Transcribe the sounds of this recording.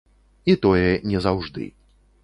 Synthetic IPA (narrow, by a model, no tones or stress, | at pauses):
it̪ɔjɛnʲɛzawʐd̪ɨ̰